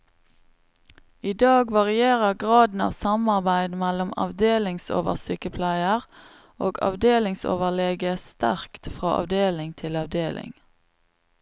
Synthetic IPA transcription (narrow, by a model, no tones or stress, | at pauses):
iːd̪ɑːɡʋɑʁɪeːʁəʁɡʁɑːd̪n̩ɑ̰ːʋsɑmɑʁbæɪd̪mælʊmɑ̰ʋd̪eːlɪŋso̰ːʋə̰ʁsyːkəpʰlæɪəʁ | oːɡɑ̰ʋd̪eːlɪŋso̰ːʋəleːɡəst̪æ̰ʁkt̪fʁɑ̰ːʔɑ̰ʋd̪eːlɪŋt̪ʰɪlɑʋd̪eːlʔɪ̰ŋ